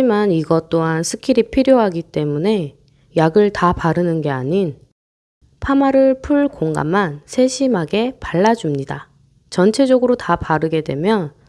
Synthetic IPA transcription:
ad͡ʑimaniɡʌt͈oɦansʰɯ̥kʰiɾipʰiɾjoɦaɡit͈e̞mune̞ | jaɡɯɭtapaɾɯnɯnɡe̞aɲin | pʰamaɾɯɭpʰuɭkoŋɡa̰mːansʰe̞ɕʰimɦaɡe̞paɭːad͡ʑumɲida | t͡ɕʌnt͡ɕʰe̞d͡ʑʌɡɯɾotapaɾɯɡe̞dwe̞mjʌn

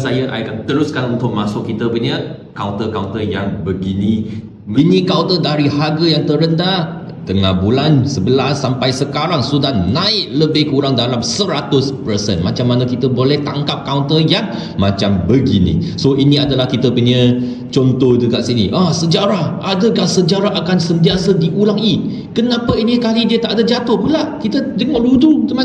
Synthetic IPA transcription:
sajaʔa̰jkant̪əɾʊskanunt̪ʊk̚masʊkːit̪əpuɲə̃kawnt̪əkawnt̪əjaŋbəɡinĩ | minĩkawnt̪ədaɾihaɡəjaŋt̪əɾənda | t̪əŋabulansəbəlasːampajsəkaɾaŋsudahnãɪʔ̚ləbɪhkuɾaŋdalamsəɾat̪ʊspərsɛ̰nmat͡ʃamːanãkit̪əbolɛht̪aŋkap̚kawnt̪əjaŋ | mat͡ʃambəɡḭnḭ̃soʔinĩadalahkit̪əpuɲə̃ | t͡ʃɔnt̪ɔhdəkaʔsinḭʔahsəd͡ʒaɾahʔadəkaʔsəd͡ʒaɾaʔakansənt̪iasadiʔulaŋi | kənãpainikalidiət̪aʔadad͡ʒat̪ʊhpulaʔʔkit̪ədəŋɔʔludut̪əma

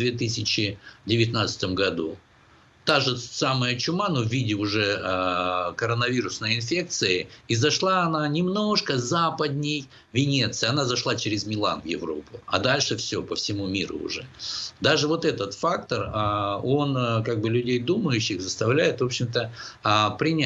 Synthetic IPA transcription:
vd̪vʲet̪ɨsʲɪt͡ɕɪdʲɪvʲɪt̪nat̪sɨ̥t̪əmɡɐd̪u | t̪aʐɨsaməjət͡ɕʊmanuvʲidʲɪʊʐɛəkəɾənɐvʲiɾʊsnəjɪnfʲe̞k̚t̪sɨɪizɐʂlˠaɐnanʲɪmno̞ʂkəzapəd̪ʲnʲɪj | vʲɪnʲet̪sɨjɐnazɐʂlˠat͡ɕɪɾʲɪzmʲɪlˠa̰nvjɪ̰vɾo̞̰pʊɐ̰d̪alʲʂɨfsʲopəfsʲɪmumʲiɾʊ̰ʊ̰ʐɛ̰d̪aʐɨvo̞t̪ɛt̪ət̪fak̚t̪ərəo̞nkaɡ̚bɨlʲʉdʲejd̪uməjʉɕːɪxzəst̪ɐvlʲæjɪt̪vo̞pɕːɪmt̪əpɾʲɪnʲ

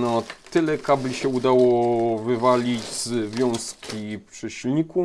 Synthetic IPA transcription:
nɔt̪ɘlɛkablʲiɕɛud̪awɔvɘvalʲid͡ʑzvʲjɔ̃w̃skʲʰipʂɛɕilɲiku

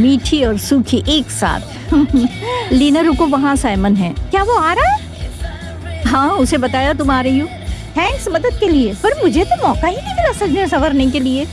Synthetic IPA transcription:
miːʈʰiɔːɾsuːkʰiʔeːksa̰ːt̪ʰ | liːnəɾʊkõʋɐɦãsaːɪmənɦɛ̰̃ːkjaːʋoaːɾaɦɛ | ɦãːʊsebɐt̪aːjat̪̬ʊmaːɾɐɦioː | t̪ʰɛ̃ːŋksmɐd̪əd̪̚keliepɐɾmʊd͡ʒʱet̪omɔːkaɦinĩkɐnasɐkd͡ʒɛsɐʋəɾnek̬elie

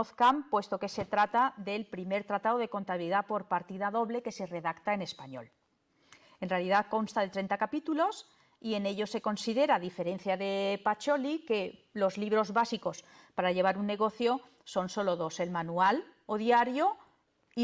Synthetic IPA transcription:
oθkampwe̞st̪oke̞se̞t̪ɾat̪aðe̞lpɾime̞ɾt̪ɾat̪aðoð̞e̞ko̞nt̪aβiliðapo̞ɾpaɾt̪iðaðo̞βle̞ke̞se̞re̞ðakt̪ae̞ne̞spaɲo̞̰l | enrealiðako̞nst̪aðe̞t̪ɾe̞nt̪akapit̪ulo̞s | ie̞ne̞ʎo̞se̞ko̞nsiðe̞ɾaðife̞ɾe̞n̟θjaðe̞pat͡ʃo̞like̞ | lo̞zliβ̞ɾo̞zβasiko̞s | paɾaʎe̞β̞aɾunːe̞ɣ̞o̞θjo | so̞nso̞lo̞ðo̞se̞lmanual | oðjaɾjo

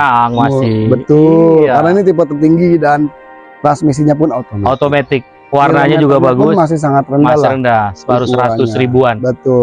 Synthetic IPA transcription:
aŋmasɪbət̪ʊllkarnainit̪ip̬ət̪ːərt̪iŋɡidan | t̪ɾansmis̬iɲapʊnat̪omaaot̪omat̪ɪk̚ | warnaɲad͡ʒuɡabaɡʊsmas̬ɪhs̬aŋat̪rəndalɾəndasəbaɾusɾaat̪ʊsɾibuanbət̪ʊ

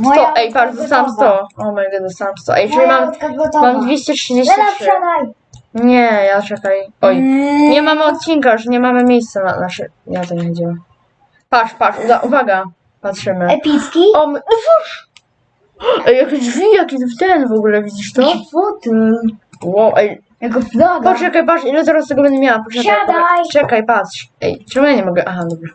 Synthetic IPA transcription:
sɔɛjpaʂzɔsst̪amst̪ɔɔmajɡɛzɔst̪amst̪ɔ̰ʔa̰jɛʐɛlimammamd̪vʲjeɕt͡ɕɛtʂɨd͡ʑeɕiʂɛnaj | ɲɛjat͡ʂɛkajɔjɲɛmamɔt̪̚t͡ɕinkaʐɲɛmamɘmʲjejst̪sɛna̰naʂɛ̰jat̪aɲvid͡ʑiwa | paʂpaʂud̪aʔuvaɡa | patʂɘmɘɛpʲiskʲiɔm | ɛjakʲedvʲijakʲɛt̪ft̪ɛnvɔɡulɛvʲid͡ʑiʂt̪ɔfɔt̪ɘ | wɔwʔɛj | jakɔd̪adpɔt͡ʃɛkajp̬aʂilɛt̪̬ɛɾast̪ɛɡɔbɛnd̪ɛmʲjawapɔʂɛkaɛkajʈ͡ʂɛkajpat̪ʂɛ̰jʈ͡ʂɛɡɔjaɲɛmɔɡɛʔaxad̪ɔbʐɛ

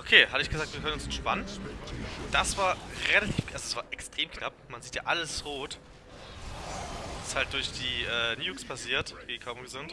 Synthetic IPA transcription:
ʔokʰeːhatəɪçɡ̥əzaːk̚tv̥iːkʰœnʊnsɛntʃpanən | d̥asv̥aːɐʁelatʰiːfʔalzod̥asv̥aːɐʔɛkstʁ̥eːmknapmanziːtja̰ːʔaləsʁoːt | ɪsthalt̚d̥ʊɐçd̥iːʔɛːniːukspʰasiːɐtv̥eːkʰaʊmɡəzʊnt

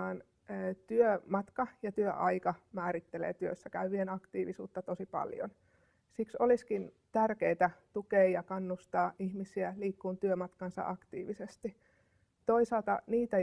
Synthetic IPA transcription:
ɑːnː | t̪yømɑt̪kɑjɑt̪yøʔɑikɑmæːɾit̪ːelḛːt̪yøsːækæyʋienɑkt̪iːʋisṵːt̪ːɑt̪osipɑ̰ljo̰n | siksoliskin | t̪ærkeit̪æt̪ukeːjɑkɑnːust̪ɑːʔihmisiæliːkːuːnt̪yømɑt̪kɑnsɑ̰ʔɑkt̪ḭːʋisest̪i | t̪oisɑˑlt̪ɑniːt̪æ

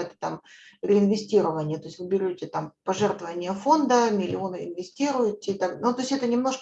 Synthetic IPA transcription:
ɛt̪ə̥t̪am | ɾʲɪɪnvʲɪsʲtʲiɾəvənʲɪjət̪o̞ɪsʲt̪ʲvɨbʲɪɾʲotʲɪt̪ampɐʐɛrt̪vəvənʲɪjəfo̞nd̪əmʲɪlʲɪo̞nɨɪnvʲɪsʲtʲiɾʊjɪtʲɪt̪aɡnut̪o̞sʲtʲɛt̪ənʲɪmno̞ʂk

